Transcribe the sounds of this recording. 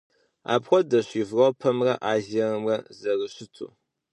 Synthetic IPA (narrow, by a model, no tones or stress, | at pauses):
a̰ːpxʷɔdɐɕiːvrɐwpʰɐmrɐʔaːʒɐrɨmrɐzɐrɨɕɪtʰṵ